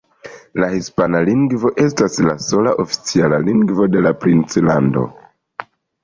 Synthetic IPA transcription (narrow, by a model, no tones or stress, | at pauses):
lahispanaliŋɡvo̞ʔe̞staslaso̞laʔo̞fi̥t͡sialaliŋɡvo̞de̞lapɾint͡slando̞̰